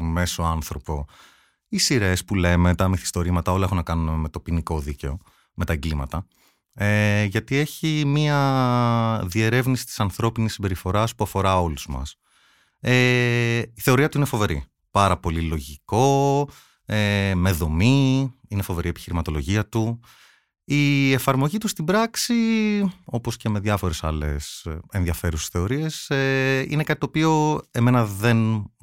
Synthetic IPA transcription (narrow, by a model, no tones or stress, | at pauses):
me̞so̞ɐnθɾo̞po̞ | isiɾe̞spule̞me̞t̪ɐmiθi̥st̪o̞ɾimɐt̪ɐo̞lɐexunɐkɐnuneme̞t̪o̞piniko̞ðice̞o̞ | me̞t̪ɐeɡlimɐt̪ɐ | eʝɐt̪ie̞çimiɐ | ðie̞ɾe̞vnisi̥t̪i̥sɐnθɾo̞pinisːimbe̞ɾifo̞ɾɐspuɐfo̞ɾɐo̞luzmɐ̰s | e | iθe̞o̞ɾiɐt̪uine̞fo̞ve̞ɾi | pɐɾɐpo̞lilo̞ʝiko̞ | eme̞ðo̞miine̞fo̞ve̞ɾie̞pi̥çiɾimɐt̪o̞lo̞ʝiɐt̪u | ie̞fɐɾmo̞ʝit̪ust̪ibɾɐksi | o̞po̞sce̞me̞ðʝɐfo̞ɾe̞sɐ̰le̞̰se̞nðiɐfe̞ɾusesθe̞o̞ɾie̞seḭne̞kɐt̪it̪opio̞e̞me̞nɐðe̞n